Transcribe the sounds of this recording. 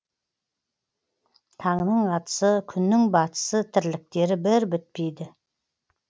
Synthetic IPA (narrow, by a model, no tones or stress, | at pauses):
t̪ʰɑɴənəɴɑt̪ə̥səkʲʰʏnːɪŋbɑt̪ə̥sət̪ʰɪɾlɪk̚t̪e̞ɾɪbɪɾbɪt̪̚pejd̪ɪ